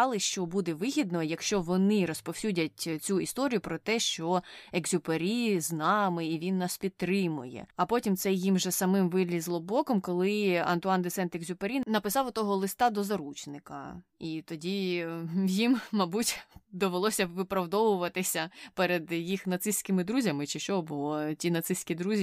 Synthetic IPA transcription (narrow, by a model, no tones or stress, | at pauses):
ɑlˠɪʃt͡ʃɔbud̪ɛʋɪɦʲid̪nɔjɐkʃt͡ʃɔʋɔnɪɾɔspɔwsʲudʲɐtʲt͡sʲuist̪ɔɾʲijʊpɾɔt̪ɛʃt͡ʃɔeɡzʲʊpeɾʲiznɑmɪiʋʲinːɑspʲid̪̚t̪ɾɪmʊjɛ̰ɐpɔtʲimt̪sɛjjimʒɛsɐmɪmʋɪlʲizlˠɔbɔkɔmkɔlˠɪɐ̰nt̪ʊɑnd̪etsɛnt̪eɡzʲʊpeɾʲinɐpɪsɑwɔt̪ɔɦɔlˠɪst̪ɑd̪ɔzɐɾut͡ʃnɪkɐ̰it̪ɔdʲi | jimːɐbutʲd̪ɔʋelˠɔsʲɐʋɪpɾɐwd̪ɔʋʊʋɐt̪ɪsʲɐpɛɾed̪jixnɐt̪sɪsʲkɪmɪd̪ɾuzʲɐmɪt͡ʃɪʃt͡ʃɔbɔtʲinɐt̪sɪsʲkʲid̪ɾuzʲi